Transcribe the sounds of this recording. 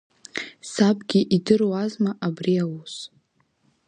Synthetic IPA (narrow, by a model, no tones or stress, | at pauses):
sabɡʲiʔidɨrwazmaʔabriawus